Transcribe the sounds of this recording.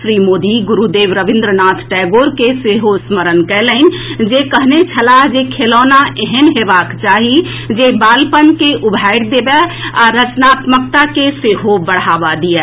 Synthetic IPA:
ʃɾimoːd̪iɡuɾud̪eʋɾəʋɪ̃nd̪ɾənaːt̪ʰʈɛɡoɾkeseɦosməɾənkɛlənd͡ʒekəɦnet͡ʃʰəlaɦd͡ʒekʰelɔːnaʔeɦənɦebaːkt͡ʃaːɦi | d͡ʒebaːlpənkeʔubʱaɪɽd̪ebeaɾət͡ʃnaːt̪mək̚t̪akeseɦobəɽ̤abad̪iɛ

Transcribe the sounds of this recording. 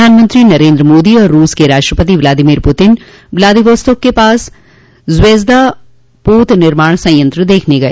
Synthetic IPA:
aːnmənt̪ɾinɐɾẽːnd̪ɾəmoːd̪iɔːɾːuːskeɾaːʃʈɾəpət̪iʋlaːd̪ɪmiːɾpʊt̪ɪn | ʋlaːd̪iʋəst̪ʊkːepaːs | zʋeːzd̪a | poːt̪nɪɾmaːɳ̃sɐ̃jjə̃nt̪ɾəd̪eːkʰneɡɐeː

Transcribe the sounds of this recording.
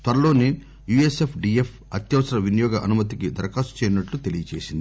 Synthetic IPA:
t̪ʋɐɾɐlo̞ːni | juːesepʰɖiːepʰ | ɐt̪jɐʋɐsɐɾɐʋinjɔːɡɐʔɐnumɐt̪ikid̪ɐɾɐkaːsu̥t͡ʃɛːɾinɐʈlut̪e̞lijɐt͡ʃḛːsind̪ii

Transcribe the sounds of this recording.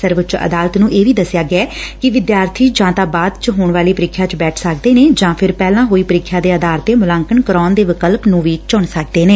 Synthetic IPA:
səɾʋət͡ʃə̰d̪aːlət̪nũːʔeːʋiːd̪əsɪjaːɡɪɛːkɪʋɪd̪jaːɾt̪ʰiːd͡ʒãːt̪aːbaːd̪t͡ʃəɦoːɳʋaːliːpəɾɪkʰjaːt͡ʃbɛːʈʰsəkd̪eːneːd͡ʒãːpʰɪɾpɛːlãːɦoːiːpəɾɪkʰːjaːd̪eːəd̪aːɾt̪eːmʊlãːŋkəɳkəɾɔːnd̪eːʋɪkəlpnũːʋiːt͡ʃʊɳsək̚d̪eːneː

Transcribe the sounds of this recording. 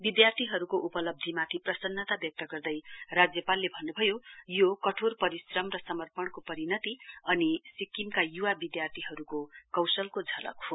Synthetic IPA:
bid̪jart̪ʰiɦʌɾukoʔupʌlʌb̚d̪ʱimat̪ʰiprʌsʌnːʌt̪abjʌk̚t̪ʌɡʌrd̪ʌjrad͡zjʌpalːebʱʌnːubʱʌjojokʌʈʰorpʌɾisrʌmrʌsʌmʌrpʌɳkopʌɾinʌt̪iʌnisikːimkajuwabid̪jart̪ʰiɦʌɾukokʌwsʌlkod͡zʱʌlʌ̰kɦo

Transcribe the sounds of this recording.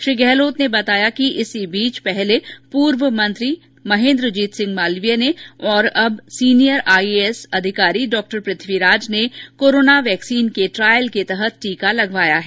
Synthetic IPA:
ʃɾiːɡɛːloːt̪nebɐt̪aːjakiʔɪsibiːt͡ʃpɛɦlepuːɾʋəmɐ̃nt̪ɾi | mɐɦẽːnd̪ɾəd͡ʒiːt̪sɪ̃ŋɡmaːlʋijəneɔːɾɐbsiːnijəɾaːiesɐd̪ʱɪkaːɾiɖɔːk̚ʈəɾpɾɪt̪ʰʋiɾaːd͡ʒnekoːɾoːnaʋɛːksiːnkeʈɾaːjəlket̪ɛɦət̪̚ʈiːkalɐɡʋaːjaɦɛː

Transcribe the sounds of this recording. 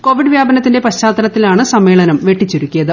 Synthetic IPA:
ko̞ːʋiɖɨʋjaːbɐnɐt̪ːinde̞pɐɕt͡ɕːaːt̪ːɐnɐt̪ːilaːɳɨsɐmːe̞ːɭɐnɐmʋe̞ʈːit͡ɕːiɾukʲːujɐðɨ

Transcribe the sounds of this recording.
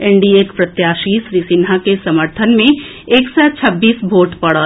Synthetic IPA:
ɛ̃ɳɖieːkpɾɐt̪jaːʃiːʃɾiːsɪnɦakesɐməɾt̪ʰənmẽ | eːksɛt͡ʃʰɐbːiːsbʱoːʈpɐɽə

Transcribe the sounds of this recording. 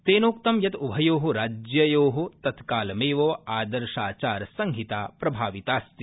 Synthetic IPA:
t̪eːnoːkt̪ɐmjɐt̪ubʱɐjoːɦuɾaːd͡ʒjɐjoːɦut̪ɐt̪kaːlɐmeːʋoːaːd̪ɐɾʃaːt͡ʃaːɾɐsɐŋɦit̪aːpɾɐbʱaːʋit̪aːst̪i

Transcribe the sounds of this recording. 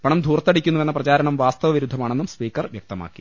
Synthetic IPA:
pɐɳɐmd̪ʱuːrt̪ːɐɽikʲːunːuʋe̞nːɐprɐt͡ɕaːɾɐɳɐmʋaːst̪ɐʋɐʋiɾud̪ʱːɐmaːɳenːumspiːkːɐrʋjɐk̚t̪ɐma̰ːkːi̥

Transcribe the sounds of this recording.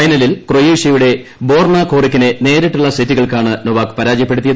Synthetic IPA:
ɐjnɐlilkrojiːʂɐjuɽe̞ | bo̞ːrɳɐkoːrikʲːinene̞ːɾiʈːuɭːɐsitːiɣɐɭkaːɳɨnoʋaːkɨ̥pɐɾaːd͡ʑjɐp̬ːe̞ɽut̪ːijɐð

